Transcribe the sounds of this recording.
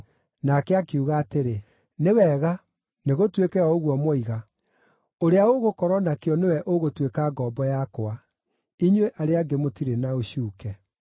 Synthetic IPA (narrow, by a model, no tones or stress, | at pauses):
nakɛakeuɣaːteɾe | newɛːɣa | neɣotwekɛɔoɣwɔmɔiɣa | oɾeaoɣokɔɾɔnakeɔnewɛʔoɣotwekaːɡɔːbɔjakoa | iɲweʔaɾeaɡemotiɾenaoɕuːkɛ